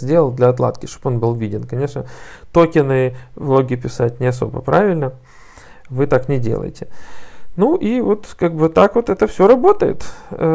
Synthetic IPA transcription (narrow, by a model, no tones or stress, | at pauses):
zʲdʲelˠəlˠd̪lʲɐɐt̪lˠa̰t̪kʲɪʂt̪opo̞nbɨlˠvʲidʲɪnkɐnʲe̞ʂnət̪o̞kʲɪnɨvlˠo̞ɡʲɪpʲɪsat̚ʲnʲɪɐs̬o̞̰bə̰pɾavʲɪlʲnə | vɨt̪aknʲɪdʲḛlˠə̰jɪ̰tʲɪnuʔivo̞t̪kaɡ̚bɨt̪akvot̪ɛt̪əfsʲoɾɐbo̞t̪əjɪ̰t̪